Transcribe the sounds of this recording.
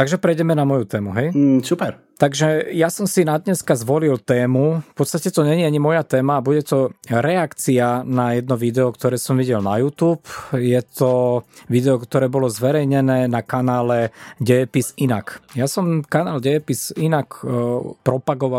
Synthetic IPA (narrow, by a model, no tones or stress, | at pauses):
t̪aɡʒɛpɾɛjɟɛmɛnamɔjut̪ɛːmuɦɛjsupɛɾ | t̪aɡʒɛjasɔmsinad̪ɲɛskazʋɔlilt̪ɛːmufpɔt̪st̪acɛt̪ɔɲɛɲiaɲimɔjat̪ɛːmaːbuɟɛt̪ɔɾɛakt͡sianajɛd̪nɔʋid̪ɛɔkt̪ɔɾɛːsɔmʋiɟɛlnajuːt̪uːpjɛt̪ɔʋid̪ɛɔkt̪ɔɾɛːbɔlɔzʋɛɾɛjɲɛnɛːnakanaːlɛɟɛɛpisinakjasɔmkanaːlɟɛɛpisinakpɾɔpaɡɔʋa